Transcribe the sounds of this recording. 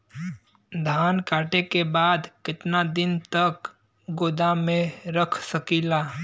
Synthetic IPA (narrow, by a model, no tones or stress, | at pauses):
d̪ʱaːnkaːʈekebaːd̪kɪt̪nad̪ɪnt̪ək | ɡoːd̪amẽɾəkʰsəkiːlaː